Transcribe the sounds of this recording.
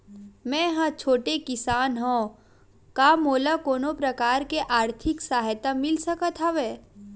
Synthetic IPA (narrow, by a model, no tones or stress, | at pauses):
mɛ̃ɦãt͡ʃʰoːʈekɪsaːnɦõ | kaːmoːlakoːnopɾɐkaːɾkeʔaːɾt̪ʰɪksaːɦt̪amɪlsɐkət̪ʰaʋeː